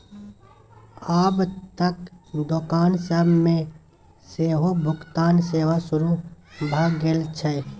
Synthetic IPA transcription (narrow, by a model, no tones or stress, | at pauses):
aːbt̪əkd̪okaːnsəbmẽ | seːɦobʱʊkt̪aːnseːʋasʊɾubʱaɡeːlt͡ʃʰɛ